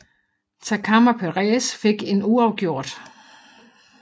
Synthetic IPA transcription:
t͡sʰækʰɑmɐpʰeʁɛːsfe̝ɡ̥e̝nuɑ̈ʊɡ̥jo̝ɐ̰d̥

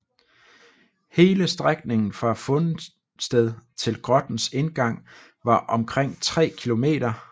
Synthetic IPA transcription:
he̝ːləsd̥ʁaɡ̥ne̝ŋn̩fɒæfɔ̽nə | sd̥eð̞ˠt͡sʰe̝lɡ̥ʁɒ̽d̥n̩se̝nɡ̥ɑ̈ŋ̰ | ʋɑ̈ʔɒ̽mkʰʁeŋ̰t͡sʰʁɛ̰ːkʰilo̝me̝̰ːɾ̥ɐ

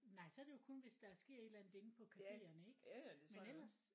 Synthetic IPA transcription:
nɑ̈ɪsɒ̽æɐɾ̥e̝jo̝kʰɔ̽nʋe̝sd̥ɑ̈æɐsɡ̥e̝̰ɐ̰e̝ːd̥lænð̩d̥ˠen̩pʰɒ̽kʰæfe̝ːɐnəeɡ̥menel̰ɐs

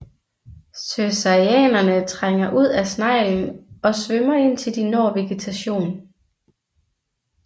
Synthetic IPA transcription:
søsɑiɛ̰ːnɐnət͡sʰʁaŋ̰ɐʔuð̞̰ˠæsnɑ̈ɪ̰lmɒ̽sʋømɐe̝n̰t͡sʰe̝ld̥inɒːʋe̝ɡ̥et͡sʰæɕo̝̰ːn

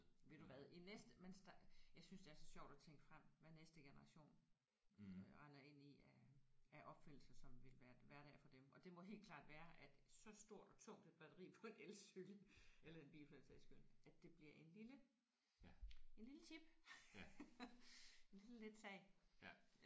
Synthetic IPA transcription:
ʋe̝d̥uʋæðˠinesd̥əmensd̥ɑjɑ̈ɪsynsd̥e̝æɐsɒ̽ɕɒ̰ʊ̰d̥æt͡sʰeŋ̰ɡ̥əfʁam̰ʋænesd̥əɡ̥e̝nɐʁɑ̈ɕo̝̰ːn | ʁɑ̈ɪnɐe̝n̰iææʔɒ̽b̥fen̰l̩sɐsɒ̽mʋe̝lʋæːɐʋæɐɾ̥ɛ̰fɒ̽d̥emʔɒ̽d̥e̝mɒ̽ɦe̝ːlkʰlɑ̰̈ːd̥ʋæːɐʔæd̥sɒ̽sd̥o̝ɐ̰d̥ɒ̽t͡sʰɔ̽ŋ̰d̥ed̥b̥æd̥ɐʁḭːpʰɒ̽e̝nelssyɡ̥ləelɐe̝nb̥ḭːlfʰløsʰæisɡ̥øn̰æd̥e̝b̥liɐ̰ʔe̝nlilə | e̝nlilət͡sʰib̥ | e̝nliləled̥sɛ̰ɪ̰

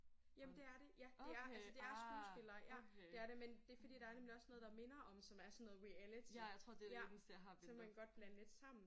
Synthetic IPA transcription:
jæmnd̥e̝æɐɾ̥e̝jæd̥e̝æɐælsəd̥e̝æɐsɡṵːlsb̥e̝lɐːjæ̥e̝æɐɾe̝mend̥e̝fɒ̽d̥ḭːd̥ɑ̈æɐnemliɒ̽snɔ̽ð̞̩ˠd̥ɑ̈me̝nɐʔɒ̽msɒ̽mæɐsɔnːoːð̩ˠʁiælit͡sʰiat͡sʰʁo̝̰d̥ejæssembenɡ̥ɒ̽d̥̚b̥lænəle̝d̥sɑ̈m̰n̩

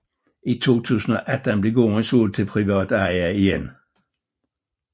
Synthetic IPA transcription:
ʔit͡sʰo̝̰ːt͡sʰṵːsn̩ɒʔæd̥ənb̥leɡoːʁənsuːlt͡sʰe̝lpʰʁiʋɑ̰ːd̥ɑɪæiɡen

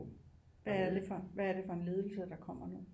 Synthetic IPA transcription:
ʋææd̥e̝fɒʋæɐɾe̝fɒ̽e̝nle̝ːð̞ˠl̩səd̥ɑ̈kʰɒ̽m̰ɐnu

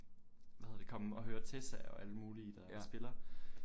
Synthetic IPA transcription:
ʋæhe̝ɐd̥e̝̥kʰɒ̽m̩ɒ̽ɦøːɐt͡sʰe̝sæɒ̽ʔæləmuːlid̥æsb̥e̝lɐ

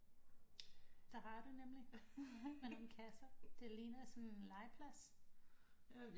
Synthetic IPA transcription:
d̥ɑ̈hɑ̈ɾ̥unemli | menon̩kʰæsɐd̥e̝liːnɐsɒnennlɑ̈ɪpʰlæs

